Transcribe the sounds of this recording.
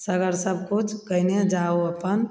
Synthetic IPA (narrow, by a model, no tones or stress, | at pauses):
səɡəɾsəbkut͡ʃʰkəɪned͡ʒaoəpən